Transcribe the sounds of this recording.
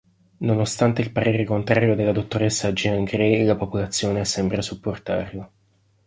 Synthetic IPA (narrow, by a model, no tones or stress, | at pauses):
nonost̪ant̪eilpaɾeːɾekont̪ɾaːɾjod̪elːad̪ot̪ːoɾesːad͡ʒiaŋɡɾejlapopolat̪sːjoːnesɛmbɾasupːort̪a̰ːɾlo